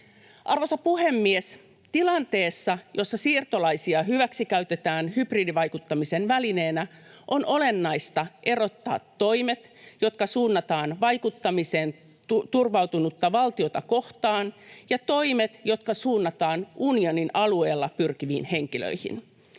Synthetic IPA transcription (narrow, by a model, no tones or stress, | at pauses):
ʔɑrʋo̞sɑpuɦe̞mːies | t̪ilɑnt̪e̞ːsːɑjo̞sːɑsiːrt̪o̞lɑjsiɑɦyʋæksikæyt̪e̞t̪æːnhybriːdiʋɑjkut̪ːɑmise̞nʋæline̞ːnæʔo̞no̞le̞nːɑjst̪ɑʔe̞ro̞t̪ːɑ̰ːt̪ːo̞jme̞t̪jo̞t̪̚kɑsuːnːɑt̪ɑːnʋɑjkut̪ːɑmise̞ːn | t̪urʋɑwt̪unut̪ːɑʋɑlt̪io̞t̪ɑko̞ht̪ɑːnjɑt̪o̞jmet̪jo̞t̪kɑsuːnːɑt̪ɑːnʔunio̞ninɑlue̞ːlːɑpyrkiʋḭːnhe̞ŋk̟ilø̰jhḭn